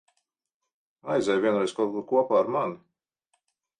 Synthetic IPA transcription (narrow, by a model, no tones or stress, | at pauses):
ajzʲɛjvʲiɛnɾɛjskɔlˠkuɾkuɔpaːɾman